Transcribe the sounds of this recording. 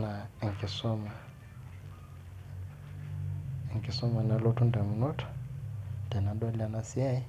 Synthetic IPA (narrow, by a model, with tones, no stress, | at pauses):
na˨ŋ˨kʼɪ˨sɔ˦ma˨ | ŋ˨kʼi˨sɔ˦ma˨na˨lo˦tʰʊ˦ndɛ˨mʊ˨nɔ˦tʰɔ̥˨ndɛ˨na˨ndwa˦li˦a˦na˦si˦a˦i˦